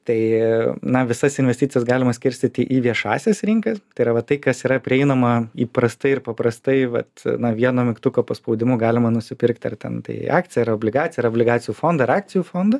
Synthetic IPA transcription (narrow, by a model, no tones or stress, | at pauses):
t̪ɐɪnɐʋʲɪsɐsɪnʲʋʲɛsʲtʲɪtt͡s̪ʲɪjɛsɡɑːlʲɪmɐsʲkʲɪɾʲsʲt̪ʲɪt̪ʲɪʔiːʋʲiɛʃɑ̰ːsʲɛsɾʲɪŋkɐst̪ɐɪɾɐʋɐt̪ɐɪkɐsiːɾɐpʲɾʲɪɛɪnɐmɐiːpɾɐst̪ɐɪɪɾpɐpɾɐst̪ɐɪʋɐ̰t̪nɐʋʲiɛnoːmʲɪkt̪ʊkoːpɐspoʊd̪ʲɪmʊɡɑːlʲɪmɐnʊsʲɪpʲɪɾkt̪ʲɐ̰rt̪ʲɛ̰nt̪ɐ̰ɪɑ̰ːk̚t̪ʲɪjɛɐɾoːblʲɪɡɑːt̪sʲɪjɛɐɾoːbʲlʲɪɡɑːt̪sʲɪjuːfoːnd̪ɐɪɾɑːk̚t̪t͡ssʲɪjuːfoːnd̪ɐ